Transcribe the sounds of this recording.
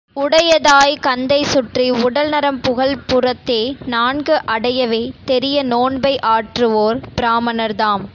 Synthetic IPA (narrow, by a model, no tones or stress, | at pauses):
ʊɽɐjɐðaːjkɐnd̪ɐɪsʊʈriʊɽɐlnɐɾɐmpʊɣɐɭpʊrɐt̪ːeːnaːnɡɯʔɐɽɐjɐʋeːt̪ɛɾɪjɐnoːɳbɐɪʔaːʈrɯoːɾpɪɾaːmɐnɐɾðaːm